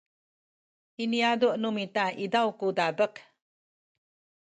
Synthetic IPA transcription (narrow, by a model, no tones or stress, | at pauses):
iniaduʔnumitaidawkudabək